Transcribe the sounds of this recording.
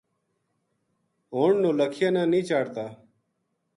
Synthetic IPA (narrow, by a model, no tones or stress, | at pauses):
oːɳnõːləkʰɪjãːnãːnĩːt͡ʃaːɽt̪aː